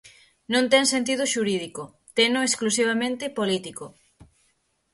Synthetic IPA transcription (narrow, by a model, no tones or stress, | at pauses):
nõnt̪ɛŋsent̪̬ið̞ʊʃuɾið̞iko | t̪enʊesklus̬iβamẽnt̪ɪpolit̪iko